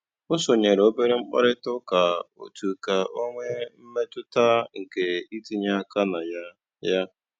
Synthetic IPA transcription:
ʊ˦sʊ˨ɲe˨ɾo˦be˦ɾɪ˦ŋ͡m̩˦k͡pa̰˦ɾɪ˦tʊ˦ka˨o̰˨tu˨ka˨ʔo˦ŋʷe˦m̩˦me˦tʊ˦ta˦ŋ̩˨ke˨i˦ti˨ɲa˦ka˦na˨ja˦ | ja˦

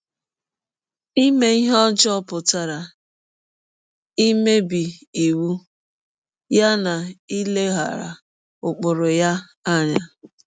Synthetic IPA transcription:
i˦me˦i˦ɦɔ˦d͡ʒɔ˦pʊ˨ta˨ɾa˨ | i˦me˦bi˨i˨wu˦ | ja˦na˨i˦le˦ɦa̰˨ɾa̰˨ | ʊ˨k͡pʊ˨ɾʊ˨ja˦ | a˦˨ɲa˨

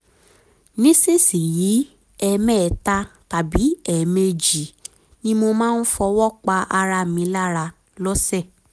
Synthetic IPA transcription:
nĩ˦si˦˨si˨ji˨˦ | ɛ˧˨mɛ̃˦˨ta˦ta˨bi˨˦ɛ˨me˧d͡ʒi˨ | nĩ˦mo˧mãː˦˧n̩˦fɔ˧wɔ˦k͡pa˧ʔa˧ɾa˧˨mĩ˧˦la˦ɾa˧ | lɔ˦sɛ˦˨

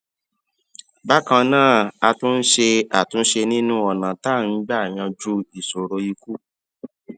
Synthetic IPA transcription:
ba˦kã˧nãː˦˨a˧tũ˦n̩˦ʃe˧a˨tũ˨˧n̩˦ʃe˧nĩ˦nũ˦ɔ˨nã˨ta˦˨n̩˨˦ɡ͡ba˦a˨j̃ã˧d͡ʒu˧i˨so˨ɾo˧i˧ku˦

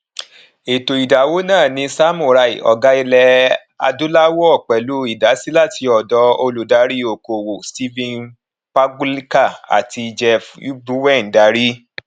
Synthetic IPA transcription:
e˨to˨i˨da˨wo˦nãː˦˨nĩ˧˦sa˦mũ˦˨ɾa˧˨ḭ˨ɔ̰˨ɡa˦i˧lɛ˧ | a̰˧du˦la˦wo˦ɔ˦˨k͡pɛ˨lu˨˦i˦˨da˨˦si˦la˦˨ti˧ɔ˨dɔ˨˧˦o˧lu˨da˨˦ɾi˦o˨ko˨wo˨sti˦vĩ˦˧n | pa˦ɡu˦li˦ka˦˨a̰˨ti˧d͡ʒɛ˧fu˦bu˦wɛ˦˨n˨da˨˦ɾi˦

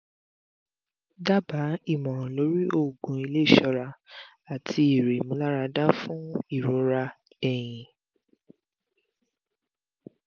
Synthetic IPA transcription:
da˦ba˨˦i˦˨mɔ̃˨lo˨˦ɾi˦ʔo˦˨ɡũ˧˦i˧le˦˨ʃɔ˧ɾa˧ | a˨tʰi˧˦i˨ɾe˨mũ˧˦la˦ɾa˧dã˦fũ˦i˦˨ɾo˨˦ɾa˧ | ɛ˨j̃ĩ˨

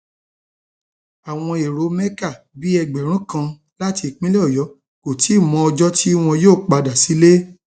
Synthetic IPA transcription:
a˨w̃ɔ̃˧e˨ɾo˨˦mɛ˦ka˦˨ | bi˨˦ɛ˧ɡ͡bɛ˨ɾ̃ũ˨˦kã˧ | la˦ti˧˨k͡pĩ˦le˦ɔ˦˨jɔ˨˦ | ko˨ti˨˦˨mɔ̃˨˦ɔ˧d͡ʒɔ˦ti˦w̃ɔ̃˧joː˦˨k͡pa˧da˨si˨˦le˦

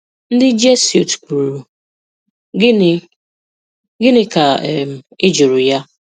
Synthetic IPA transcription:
n̩˦dɪ˦d͡ʒe˦su˨tku˨ɾu˨˦˨ | ɡɪ˦nɪ˦ka˨ɛ˨m̩˨ɪ˦d͡ʒu˨ɾʊ˨ja˦

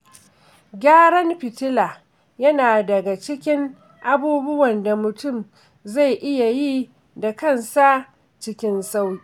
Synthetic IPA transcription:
ɡʲaː˦ɽɐ˦mɸɪ˨tɪ˦laː˨ | jɐ˦naː˨dɐ˨ɡa˨t͡ʃɪ˦kʲɪ˦ŋ | ʔa˦buː˦bʊ˦wɐ˨nda˨mʊ˨tʊ˦˨m | za˦˨jʔɪ˦ja˨ji˦ | da˨kɐ˦˨nsa˦ | t͡ʃɪ˦kʲɪ˦nsa˦wji˦

